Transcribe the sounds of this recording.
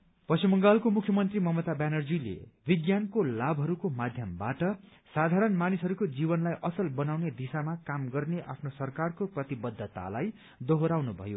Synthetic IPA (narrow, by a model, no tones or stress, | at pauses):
pʌsimʌŋɡalkomukʰjʌmʌnt̪rimʌmʌt̪abjanʌrd͡zilḛbiɡjankolabʱɦʌɾukomad̪ʱjʌmbaʈʌ | sad̪ʱaɾʌnmanisɦʌɾukod͡zibʌnlajʔʌsʌlbʌnawned̪isamakamɡʌrneʔa̰pʰnosʌrkarkoprʌt̪ibʌd̪ʱːʌt̪a̰laj | d̪ʌɦoɾawnubʱʌ̰jo